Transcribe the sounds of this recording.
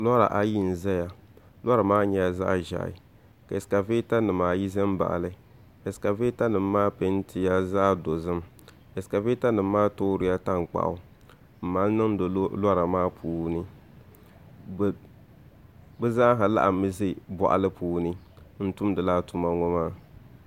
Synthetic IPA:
la˦ɾa̰˨ʔa˨ji˦n̩˨zɛ˦ja˨ | la˦ɾa˨maː˦ɲɛ˨ja˦za̰˦˨ʒa̰˨ɪ̰˨ | ka˨ɪ˨ska˨ve˦ta˦nɨ˨maː˨ji˦zɛ˦m˦ba̰˨ʔlɨ˦ | e˨ska˨ve˦ta˦nɨ˨mː˦aː˦pe˦n˦tʰi˨ja˦za˦˨do˨zɨ˦m | e˨ska˨veː˦ta˦nɨ˨mː˦aː˦to˦ɾɨ˨˦ja˦ta˦ŋ˨k͡pa̰˨ʔʊ̰˨˦ | m̩˨maː˨˦nɨ˦ŋ˦do˨˦la˦ɾa˨maː˦pʰuː˨˦nɨ˦˨ | bɛ˦za˦ɦa˨la̰˦ʔa˨mɨ˦zɪ˦bɔ̰˨ʔa̰˨lɨ˦puː˦nɨ˦ | n̩˦tu˦mdɨ˨laː˦tu˨ma˦ŋɔ˦maː˦

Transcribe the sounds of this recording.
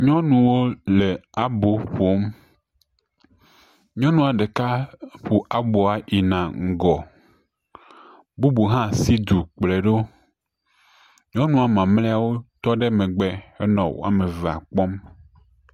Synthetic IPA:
ɲɔ̃˦nũ˨wo˦le˨a˨bo˨ɸo˦m | ɲɔ̃˦nũ˦a˨ɖe˨ka˦ɸu˨ʔa˨bo˨a˨ʔi˨nã˨ŋ̩˨ɡɔ˨ | bu˦bu˨ɦã˦si˦d̪u˨k͡ple˨ɖo˦ | ɲɔ̃˦nũ˦a˨mã˨mlɛ˦a˨wo˦t̪ɔ˦ɖe˦mẽ˨ɡ͡bɛ˨e˦nɔ̃˨wo̰˦a̰˦˨me˨vɛ˨a̰˨k͡pɔ˦m

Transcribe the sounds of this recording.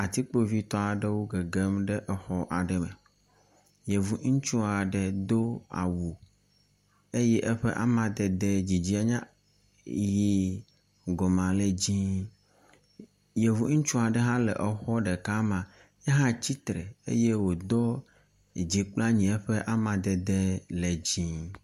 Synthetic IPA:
a˨t̪i˦k͡po˦vi˦t̪ɔ˦a˨ɖe˦wo˦ɡe˨ɡe˦mɖɛ˦ʔɛ˨xɔ˦ʔa˨ɖɛ˨mɛ˨ | je˨vu˨ŋ̩˦t͡ʃu˦a˨ɖɛ˨d̪o˦a̰˨wu˨ | e˦jɛ˦ʔɛ˦ɸḛ˦ʔa̰˦mã˨d̪ɛ˨d̪e˨d͡ʑi˨d͡ʑi˦a˨ɲã˦ | ji˦ | ɡɔ˨mã˨le˨d͡ʑĩ˦ | je˨vu˦ŋ̩˦t͡ʃũ˦a˨ɖɛ˨ɦã˦lḛ˨ʔɛ˨xɔ˦ɖe˨ka˦mã˨ | ɛ˦ɦã˦t͡ɕi˦t̪ɾḛ˨ḛ˦je˦wo˨d̪ɔ˦˨ | d͡ʑi˨k͡pla˦ɲĩ˨ɛ˦ɸe˦ʔa˦mã˨d̪ɛ˨d̪e˦le˨d͡ʑĩ˦

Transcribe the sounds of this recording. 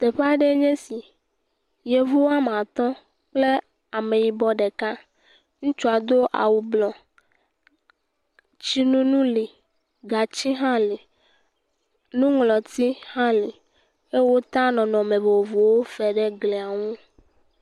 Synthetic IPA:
t̪e˨ɸa˦ɖe˦ɲɛ̃˦si˨ | je˨vu˦wo˦a˦m˨ã˨t̪ɔ̃˦ | k͡ple˦ | a˨mẽ˨ji˨bɔ˦ɖe˨ka˦ | ŋũ˦t͡ʃu˦a˨d̪o˦ʔa̰˨wu˨blɔ˨ | t͡ʃi˦nũ˦nũ˦li˨ | ɡa˨t͡ɕi˦ɦã˦li˨ | nũ˦ŋlɔ˨t̪i˦hã˦li˨ | e˦wo˦t̪ã˦nɔ̃˨nɔ̃˨mẽ˨vo˨vu˨wo˦fɛ˨ɖɛ˦ɡle˨a˨ŋũ˦

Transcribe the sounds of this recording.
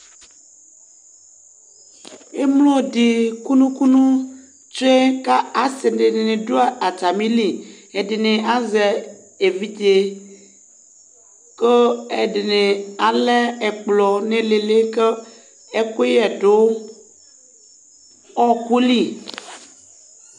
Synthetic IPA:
e˦mlo˦˨di˨ku˦nũ˦ku˦nũ˦ | t͡ʃo˦e˦ka˦a˨se˨ɖe˨ne˨nẽ˨do˦a˨a˨t͡ʃa˨mĩ˦li˦˨ | e˨de˨nẽ˨a˦zɛ˨ | e˨vi˦d͡ʒe˨ | kə˦e˨de˨nẽ˨a˨le˦ɛ˨k͡plɔ˨nẽ˨le˨le˦kə˦ | e˦ko˦jɛ˨ɖo˦ | ɔ˦ku˦li˦

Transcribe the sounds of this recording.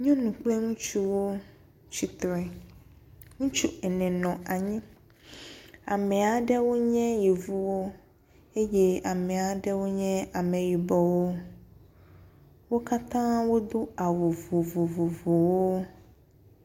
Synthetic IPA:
ɲɔ̃˦nũ˨k͡plɛ˦ŋũ˦t͡ʃu˦wo˦ | t͡ɕi˦t̪ɾɛ˦ | ŋũ˦t͡ʃu˦ɛ˨nɛ̃˨nɔ̃˨ʔa˨ɲĩ˦ | a̰˨mɛ˨a˨ɖɛ˦wo˦ɲɛ̃˦ji˨vu˦wo˦ | e˦je˦a˨mɛ̃˨a˨ɖɛ˦wo˦ɲɛ̃˦a˨mɛ̃˨ji˨bɔ˨wo˦ | wo˦ka˦t̪ã˦wo˦d̪o˦a˨wo˨vo˨vo˨vo˨vo˨wo˦

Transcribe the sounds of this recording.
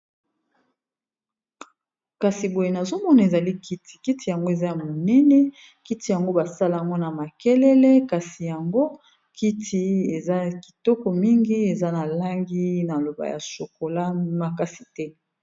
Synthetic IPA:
ka˨si˨bo˨je˨na˨zo˦mɔ˦na˨e˨za˨li˦ki˦ti̥˨ki˦ti˨ja˨ŋɡo˦e˨za˦ja˨mo˨nɛ˦nɛ˦ | ki˦ti˨ja˨ŋɡo˦ba˨sa˦la˨a˨ŋɡo˦na˨ma˨kɛ˦lɛ˦lɛ˦ka˨si˨ja˨ŋɡo˦ | kʰi˦tʰi˨e˨za˦ki̥˨tɔ˦kɔ˨mi˦ŋɡi˦e˨za˦na˨la˦ŋɡi˦na˨lo˨ba̰˨ja̰˨so˨ko˨la˦ma˨ka˦si˨tɛ˦

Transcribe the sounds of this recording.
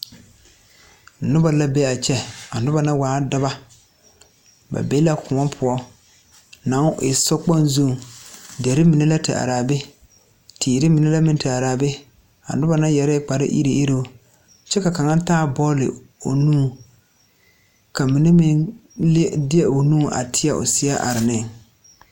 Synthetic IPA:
nʊ˦ba˨la˦bɛ˦a˨t͡ʃɛ˦a˨nʊ˦ba˨na˦waː˨˦da˦ba˦ | ba̰˨be˦la˦kʊ˨ŋɔ˦pʰʊ˦ɔ˦ | na˨˦ŋ˦ɪ̰˨sɔ˦k͡pa˦n˦zu˦˨de˨ɾɪ˦mi˨nɛ˦la˦tɪ̰˨ʔa̰˨ɾaː˨bɪ˦ | tʰiː˨ɾɪ˦mi˨nɛ˦la˦mɪ̃˦n˦tɪ˨a˨ɾaː˨bɪ˦ | a̰˨nʊ˦ba˨na˦jɛ˨ɾɛ˦k͡pa˨ɾɪ̰˦ʔḭ˦ɾi˨i˦ɾo˦ | t͡ʃɛ˦ka˨ka˨ŋa˦taː˦bɔː˦lɪ̰˨ | o̰˨nũː˦ | ka˨mi˨ne˦mɪ˦nldɪ˦ɛ˨o˨nũː˦˨ʔa̰˨tʰɪ˦a˨ʔʊ̰˨sɪ˦a˦ʔa̰˨ɾɪ˨nɪ˦˨ŋ

